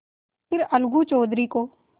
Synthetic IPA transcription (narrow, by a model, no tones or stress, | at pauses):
pɪɾəlɡuːt͡ʃoːd̪ɾiːkoː